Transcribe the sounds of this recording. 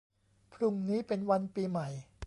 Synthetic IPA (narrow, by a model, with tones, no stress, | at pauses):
pʰlu˨˩ŋniː˦˥pe˧nwa˧npiː˧ma˨˩j